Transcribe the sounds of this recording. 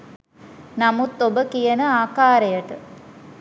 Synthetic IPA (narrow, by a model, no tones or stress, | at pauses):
namut̪ːobəkijənəaːkaːɾejəʈə